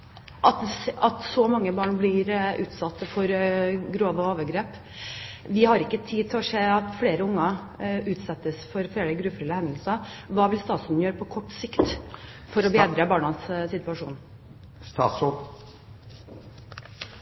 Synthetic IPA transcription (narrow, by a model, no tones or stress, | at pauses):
ʔɑt̪ɑt̪sɔmɑŋːəbɑːɳblɪɾʉːt̪sɑt̪ːəfɔɾɡɾoːʋəoːʋəɡɾeːp | ʋɪhɑɾɪkːət̪ʰiːt̪ʰɪlɔʂeːɑt̪fleːɾəʊŋːɑ | ʉːt̪sɛt̪ːəsfɔɾfɾeːɖ̪ɛɡɾʉfɾɪləhɛnd̪lsɑʋɑːʋɪlst̪ɑːt̪sʉnn̩jøːɾəpʰɔkʰɔʈːsɪkt̪fɔɾɔbeːd̪ɾəbɑːɳɑnssɪt̪ʉɑʂṵːn | st̪ː